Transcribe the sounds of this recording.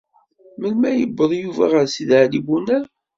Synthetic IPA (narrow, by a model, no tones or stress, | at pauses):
məlmæjəbːəðˤjuvæ̰ʁəɾsiðʕlibunəɾ